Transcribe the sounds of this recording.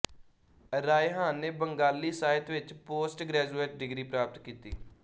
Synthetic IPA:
ɾaːeɦãːnːeːbəŋɡaːlːiːsaːɪt̪ʋɪt͡ʃpoːsʈɡɾɛːd͡ʒuːeːʈ̚ɖɪɡɾiːpɾaːp̚t̪kiːt̪ḭː

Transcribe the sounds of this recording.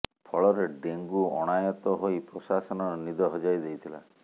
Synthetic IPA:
pʰɔɭɔɾeɖeŋɡuɔɽ̃ajɔt̪ɔɦojpɾɔsasɔnɔɾɔnid̪ɔɦɔd͡ʒajd̪ejt̪ʰila̰

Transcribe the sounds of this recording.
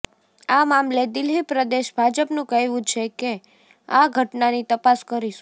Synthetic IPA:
amamled̪ɪlːipɾəd̪eʃbʱad͡ʒəpnũkəɦjʋũt͡ʃʰeke | aɡʱəʈnanit̪əpaskəɾiʃu̥

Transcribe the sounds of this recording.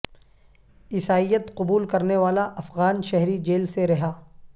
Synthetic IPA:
ɪsaːijət̪qʊbuːlkɐɾneʋaːlaʔɐfɣaːnʃɛɦɾid͡ʒeːlseɾɐɦaː

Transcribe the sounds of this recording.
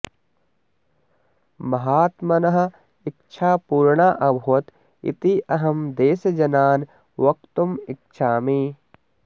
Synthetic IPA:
mɐɦaːt̪mɐnɐɦɐ̆ | ikt͡ʃʰaːpuːɾɳaʔɐbʱuʋɐt̪ | ḭt̪iʔɐɦɐmd̪eːsɐd͡ʒɐnaːn | ʋɐk̚t̪umik̚t͡ʃʰaːmiː

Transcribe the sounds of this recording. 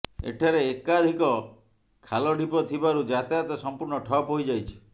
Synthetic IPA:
ḛʈʰaɾeːkad̪ʱikɔ | kʰalɔɖʱipɔt̪ʰibaɾud͡ʒat̪at̪ɔsɔmpuɾɳɔʈʰɔpɦojd͡ʒajt͡ʃʰi̥

